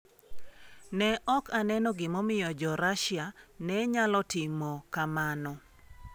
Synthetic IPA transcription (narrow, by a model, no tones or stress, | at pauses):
nɛʔɔkanɛnɔɡɪmɔmɪjɔd͡ʒɔɾaʃjanɛɲalɔtɪmɔkamanɔ